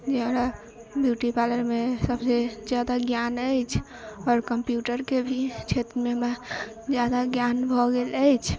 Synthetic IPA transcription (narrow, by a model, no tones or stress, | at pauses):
d͡ʒeəɾa | bjuʈipaləɾmesəbsed͡ʒjad̪aɡjanəjt͡ʃʰ | ɔːɾkəmpjuʈəɾkebʱit͡ʃʰet̪ɾmema | d͡ʒjad̪aɡjanbʱɔɡeləjt͡ʃʰ